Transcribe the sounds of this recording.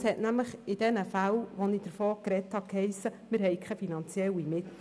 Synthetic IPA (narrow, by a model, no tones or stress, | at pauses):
shɛtnæmləχɪd̥ɛnəfælʋonid̥əɾfoːkɾɛthɑkhɛɪsəmɪɾɦɛɪkχɛfinɑnt͡sjɛlimɪt